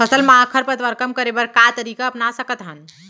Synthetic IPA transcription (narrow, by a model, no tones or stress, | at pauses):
pʰəsəlmaɦakʰəɾpəɾt̪ʋəɾkəmkəɾebəɾkat̪əɾikaəpnasəkət̪ɦən